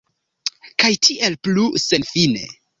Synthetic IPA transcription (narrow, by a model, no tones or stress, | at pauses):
kajtʰiʔe̞lpluse̞nfine̞̰